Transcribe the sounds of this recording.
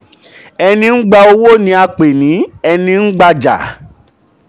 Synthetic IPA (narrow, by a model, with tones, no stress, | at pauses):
ɛ˧nĩ˧ŋ̩˦ɡ͡ba˧o˧wo˦nĩ˧˦a˧k͡pe˨nĩ˨˦ɛ˧nĩ˧n̩˦ɡ͡ba˧d͡ʒa̰˨